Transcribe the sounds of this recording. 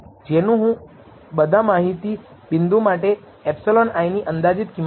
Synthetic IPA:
d͡ʒenũɦũ | bəd̪ʱamaɦit̪i | bɪnd̪ʱumaʈe | ɛpsolonajniʔənd̪ad͡ʒit̪kim

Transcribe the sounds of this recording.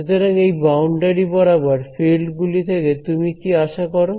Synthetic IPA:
ot̪eɾaŋejbawɳɖaɾibɔɾabaɾfelɖɡulit̪ʰeket̪umikiaʃakɔɾo

